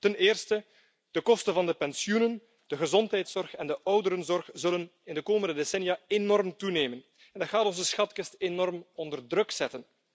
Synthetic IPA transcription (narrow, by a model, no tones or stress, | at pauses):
tənɪːrstə | d̥əkɔstənvɑndəpɛnsiunən | d̥əɣəzɔntɦɛjtsɔrxɛndəʔɔwdəɾənzɔrxzɵlənɪndəkoːməndədesɛnjaenɔrmtuneːmən | ɛndɑtxaːtɔnzəsxɑtkəstenɔrmɔndərdrɵksɛtən